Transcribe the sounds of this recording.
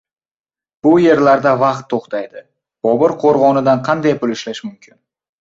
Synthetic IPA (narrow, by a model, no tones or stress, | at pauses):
b̥ʊje̞ɾlaɾd̪avɑqt̪ʰːoχt̪ʰajd̪ɪ | b̥ɒbɪɾqʰoɾʁɒnɪd̪anqʰɑnd̪ajpʊlɪʃlaʃmʊmkʲʰɪn